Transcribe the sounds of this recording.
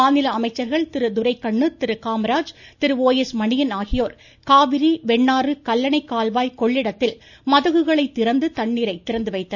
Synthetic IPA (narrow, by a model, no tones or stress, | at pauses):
aːnɪlɐːmɐɪt͡ʃːɐɾɣɐɭt̪ɪɾɯd̪ʊɾɐɪkːɐɳːɯt̪ɪɾɯkaːmɐɾaːd͡ʒt̪ɪɾɯoːjɛsmɐɳɪjɐnaːɣɪjoːɾ | kaːʋɪɾiʋɛɳːaːɾɯkɐlːɐnɐɪkːaːlʋaːjkɔɭːɪɽɐt̪ːɪl | mɐðɐɣɯɣɐɭɐɪt̪ːɪɾɐnd̪ɯt̪ɐɳːiːɾɐɪt̪ːɪɾɐnd̪ɯʋɐɪt̪ːɐ